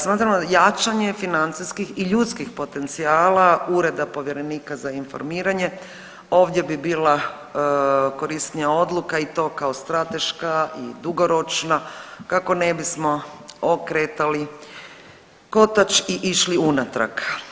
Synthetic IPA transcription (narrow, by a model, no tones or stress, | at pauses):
smaːt̪ɾamojat͡ʃaɲe̞finant̪siskixiʎut̪skixpo̞t̪e̞nt̪siaːlauɾe̞d̪apo̞ʋje̞ɾe̞niːkazainfo̰ɾmiːɾaɲe̞ | o̞ːʋd̪je̞bibiːla | ko̞ɾist̪nijao̞d̪lˠukait̪o̞ːkaost̪ɾat̪e̞ʃkaḭd̪uɡo̞ɾo̞t͡ʃnakako̞nebismo̞okɾeːt̪ali | ko̞t̪at͡ʃiʔiʃliunat̪ɾa̰k